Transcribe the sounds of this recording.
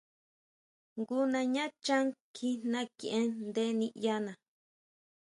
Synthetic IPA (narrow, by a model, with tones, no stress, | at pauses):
ŋɡu˦nã˧ɲã˦t͡ʃã˦ŋkʰi˧n̥nã˧kḭ̃˧˨ʔẽ˧nd̪e˦nĩ˧˦ʔja˧nã˨